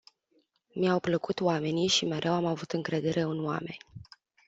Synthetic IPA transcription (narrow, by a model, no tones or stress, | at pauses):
miawpləkut̪oame̞niʃime̞ɾʔewamavut̪ɨŋkɾe̞d̪e̞ɾʔe̞ɨnwa̰me̞nʲ